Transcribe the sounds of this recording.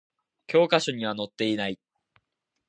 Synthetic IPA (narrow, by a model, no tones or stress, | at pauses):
kʲo̞ːkaɕoɲ̟iβ̞ano̞t̪ːe̞inai